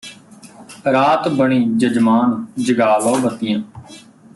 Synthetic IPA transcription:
ɾaːt̪bəɳiːd͡ʒəd͡ʒmaːnd͡ʒəɡaːʋaːbət̪ɪjãː

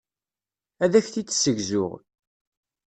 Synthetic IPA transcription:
æðæçθi̥səʝzʊʁ

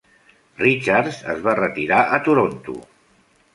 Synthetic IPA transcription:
rit͡ʃaɾzə̰zβarət̪iɾaʔət̪uɾont̪ṵ

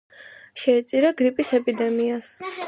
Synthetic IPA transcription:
ʃɛːt̪sʼiɾaɡɾipʼisɛpʼid̪ɛmias

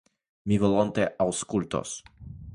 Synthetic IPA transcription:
mivɔlɔnt̪eʔawskult̪o̰s

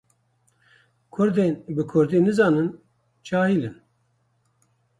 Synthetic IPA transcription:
kʰʊɾd̪enbɨkʰʊɾd̪iːnɨzɑːnɨn | t͡ʃʰaːhiːlɨn

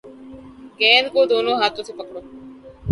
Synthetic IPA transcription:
ɡɛ̃ːnkoːd̪ʱoːnoːɦaːt̪ot̪ʰiːpəkɽoː

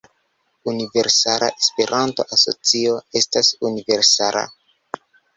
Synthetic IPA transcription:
unive̞ɾsaɾa̰ʔespe̞ɾʔanto̞̰ʔaso̰t͡sio̞e̞stasunive̞ɾsaɾa̰

